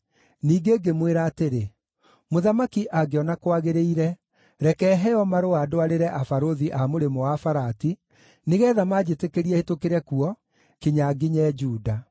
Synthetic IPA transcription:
niːɡeɡemweɾaːteɾe | moðamakiʔaɡeɔnakwaɣeɾeiɾɛ | ɾɛkɛɦɛjɔmaɾoaːdoaɾeɾɛʔafaɾoðiʔamoɾemɔwafaɾati | neɣɛːðamad͡ʑetekeɾiɛtokeɾɛkuɔ | keɲaɡiɲɛd͡ʒuːda

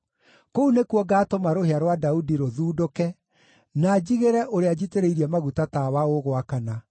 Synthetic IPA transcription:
kounekuɔɡaːtomaɾoheaɾwadaudiɾoðuːdokɛ | nad͡ʑiɣeɾɛʔoɾead͡ʑiteɾeiɾiɛmaɣutatawaoɣwakana

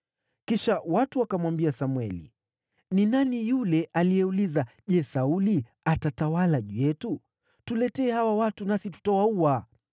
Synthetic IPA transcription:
kiʃawatuakamwambiasamwɛlḭ | ninanijulɛʔalijɛulizaʄɛsauli | atatawalaʄujɛtu | tulɛtɛːhawawatunasitu̥tawaua

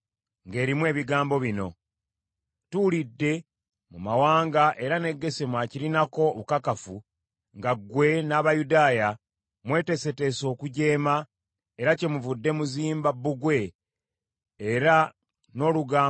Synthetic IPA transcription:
ŋɡe̞ːɾimwe̞ːβiɡaːmbo̞βino̞ | tulidːe̞ | mumawaːŋɡaʔe̞ɾane̞ɡːe̞semwaciɾinako̞βukakafu | ŋɡaɡwe̞naːβajudaːja | mwe̞ːte̞se̞te̞so̞ːkuɟe̞ːma | eɾace̞muvudːe̞muziːmbabːuɡwe̞ | ɾa | no̞ːluɡaː

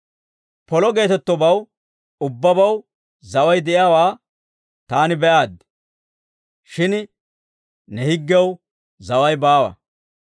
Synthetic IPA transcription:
pɔlɔɡe̞ːt̪ɛt̪ːɔbɐw | ʊbːɐbɐw | zɐwɐjd̪ɛʔjaːwaː | t̪aːnɪbɛʔaːd̪ː | ʃɪn | nɛhɪɡːɛw | zɐwɐjbaːwɐ̰

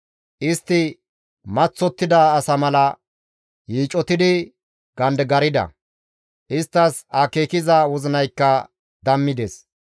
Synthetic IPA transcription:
ʔɪst̪ːɪ | mɐt͡sːɔt̪ːɪd̪ɐːsɐmɐlɐ | jiːt͡ʃʼɔt̪ɪd̪ɪ | ɡ̥ɐnd̪ɡɐɾɪd̪ɐ̰ | ʔɪst̪ːɐsɐkeːkɪzɐwɔzɪnɐjkːɐ | d̪ɐmːɪd̪ɛs

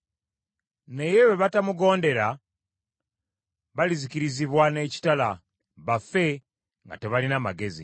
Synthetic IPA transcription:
ne̞jeβeβatamuɡo̞ːnde̞ɾa | βaliziciɾiziβwane̞ːci̥tala | βafe̞ | ŋɡa̰te̞βalinamaɡe̞zḭ

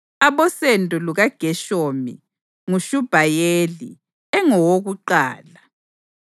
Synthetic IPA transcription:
aβɔsɛntʼuluɣaɡ̥ʱɛʃoːmḭ | ŋuʃub̥ʱajelḭ | ɛŋɔwoɣuǃaːla

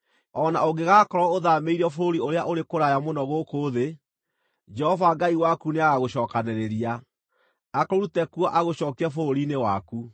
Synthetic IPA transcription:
ɔnaoɡeɣakɔɾɔoðameiɾɔfoɾioɾeaʔoɾekoɾajamonɔɣokoːðe | d͡ʒɛɔvaɡaiwakuneaɣaɣoɕɔːkanɛɾeɾia | akɔɾutɛkwɔʔaɣoɕɔːkiafooɾinewaku

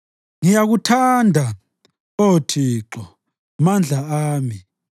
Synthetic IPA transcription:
ŋijaɣutʰandʱa | otʰiːǁɔ | mand͡ɮʱaaːmi

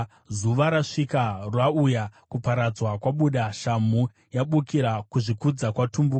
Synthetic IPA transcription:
zuʋaɾaʂikarwaujakupaɾad͡zwakwaɓuɗaʃamu | jaɓukiɾakuʐikud͡zakwatumbuːk

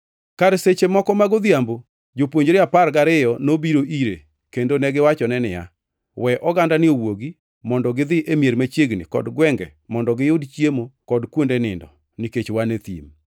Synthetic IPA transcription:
kaɾset͡ʃemɔkɔmaɡod̪jambo | d͡ʒopwoɲd͡ʒɾɪapaɾɡaɾɪjɔnobiɾoʔiɾe | kendonɛɡɪwat͡ʃɔnɛnɪja̰ | wɛʔɔɡandanɪowoɡi | mɔndɔɡɪðɪʔemjeɾmat͡ʃjeɡnɪ̰kɔ̰dɡwɛŋɡɛ̰mɔndɔɡɪjʊdt͡ʃjemokɔdkwondenɪndɔ̰ | niket͡ʃwanet̪ḭm

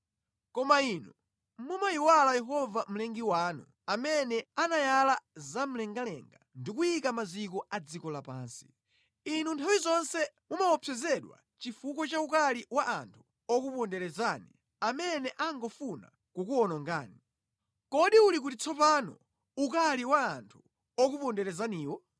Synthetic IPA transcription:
kɔmainu | mumajiwalajɛɦɔvam̩lɛŋɡiwaːnu | amɛnɛanajalazam̩lɛŋɡalɛ̰ŋɡandikujikamazikɔad͡zikɔlapa̰ːnsi̥ | inuntʰawizɔnsɛmumawɔpʰɛzɛɗwa̰ | t͡ʃifukɔt͡ʃaukaliwaʔantʰu̥ | ɔkupɔndɛɾɛzaːni | amɛnɛʔaŋɡɔfuna̰ | kukuɔnɔŋɡaːni | kɔɗiulik̬utit͡sʰɔpanɔ̰ | ukaliwaːntʰu | ɔkupɔndɛɾɛzaniːwɔ

